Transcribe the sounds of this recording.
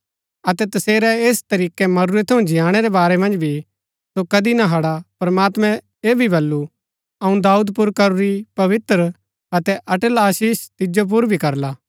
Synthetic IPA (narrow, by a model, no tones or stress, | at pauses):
ɐt̪ɛt̪ɐseːɾɛeːst̪ɐɾiːkɛmɐɾuɾɛt̪ʰɐũd͡ʒɪjaːɽ̃ɛɾɛbaːɾɛmɐ̃nd͡ʒbʱi | sokɐd̪inaɦɐɽapɐɾɐmaːt̪mɛ̃ | eːbʱibɐlːu | ɐũd̪aːuːd̪pʊɾkɐɾuɾipɐʋɪt̪ɾ | ɐt̪ɛʔɐʈəlaːʃiːʃt̪ɪd͡ʒop̬ʊɾbʱikɐɾlaː